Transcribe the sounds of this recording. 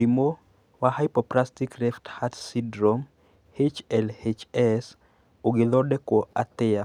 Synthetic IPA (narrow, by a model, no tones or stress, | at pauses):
imo | wahajpɔplastikrɛfthatsidɾom | het͡ʃɛlhet͡ʃɛs | oɡɪlɔdɛkwoat̪ɪa